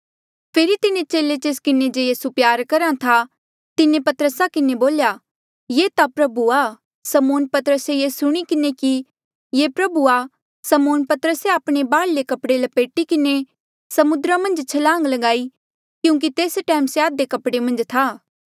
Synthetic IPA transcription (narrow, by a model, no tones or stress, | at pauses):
pʰeːɾit̪ɪnet͡ʃeːlet͡ʃeːskɪned͡ʒejiːsupjaːɾkɐɾãt̪ʰa | t̪ɪnepɐt̪əɾəsakɪneboːlja | jeːt̪apɾɐbuaː | sɐmoːnpɐt̪ɾəsejesʊɽ̃ikɪneki | jeːpɾɐbua | sɐmoːnpɐt̪əɾəseaːpɽ̃ebaːɽlekɐpɽelɐpeːʈikɪne | sɐmʊd̪ɾamɐ̃nd͡ʒt͡ʃʰɐlãːŋɡlɐɡaːi | kjũːŋk̬it̪eːsʈɛːmseaːd̪ekɐpɽemɐ̃nd͡ʒt̪ʰaː